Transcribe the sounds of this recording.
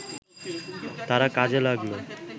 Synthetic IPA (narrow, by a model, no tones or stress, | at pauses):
t̪aɾakad͡ʑelaɡlo